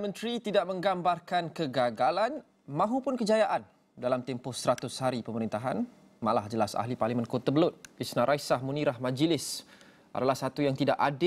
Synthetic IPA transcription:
mə̃nt̪ɾit̪idaʔ̚mə̃ŋɡambarkankəɡaɡalan | mãɦupʊnkəd͡ʒajaʔan | dalamt̪ɛmpʊhsɾat̪ʊshaɾipəməɾint̪aɦan | malahd͡ʒəlasa̰ɦliparlimə̃nkot̪abəlʊt̪̚isnãɾʔajsahmũniɾahmãd͡ʒəlɪs | ʔa̰dalahsat̪ujaŋt̪idaʔadɪ

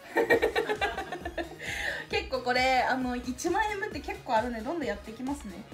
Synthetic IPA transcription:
ke̞kːo̞ːko̞ɾe̞ano̞it͡ɕimãĩẽmbɯ̟t̪ːe̞ke̞kːo̞ːaɾɯ̟nd̪ed̪õ̞nd̪o̞jat̪ːe̞kʲimasɨne̞

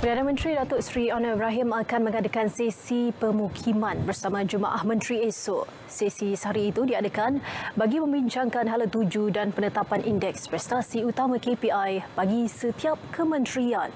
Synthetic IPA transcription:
pərdanamə̃nt̪ɾidat̪ʊʔsɾiɔnəbɾaɦimakanmə̃ŋadəkansesipəmukʰimãnbərsamãd͡ʒuma̰ʔahmə̃nt̪ɾiesoʔ | sisisəɦaɾiːt̪udiadəkanbaɡimə̃mbiɲt͡ʃaŋkanɦalat̪ud͡ʒudanpənət̪apanʔindɛkspɾɛst̪asiut̪amãkepiajb̥aɡisət̪iap̚kʰəmə̃nt̪ɾian

